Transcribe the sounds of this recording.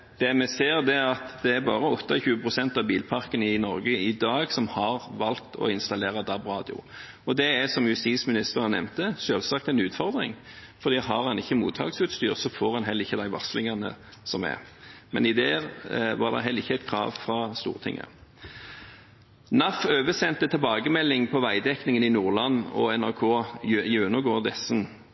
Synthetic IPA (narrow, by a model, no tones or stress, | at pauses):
d̪̥ɛmɛseːʁd̪ɛɑt̪d̪ɛæɾbɑːʁəɔt̪ʰːɑçʉːəpʰʁʊsɛnt̪ɑʋbiːlpʰɑʁkənɪnɔɾɡəɪd̪ɑːɡsɔmhɑʁʋɑltt̪ʰɔ̰ɪnst̪ɑleːʁɑd̪ɑbʁɑːd̪ɪʊ̰ | ɔd̪ɛæsɔmjʉst̪iːsmɪnɪst̪əɾɑnɛ̰mt̪əʃøːlsɑːkt̪ɛnʉːt̪fɔʁd̪ʁɪ̰ŋ | fɔʁd̪iːɦɑʁɑnɪçːəmṵːt̪ʰɑ̰ːɡsʉːt̪st̪yːʁsɔfoːɾɑnɦɛləɪçːəd̪æɪʋɑ̰ʁslɪŋɑnə̰ | sɔmɛ̰mɛ̰nɪd̪eːʁʋɑ̰ʁd̪ɛ̰ʁɦɛlɪçːəæɪt̪kʰɾɑ̰ːʋfʁɑst̪ṵːʁt̪ʰɪ̰ŋʔə̰ | nɑføːʋəsɛnt̪ət̪ʰɪlbɑːɡəmɛlːɪŋpʰɔʋæɪd̪ɛknɪŋənɪnuːʁlɑnːɔ̰ɛnæʁkʰoːjʉnəɡoːd̪ɛsn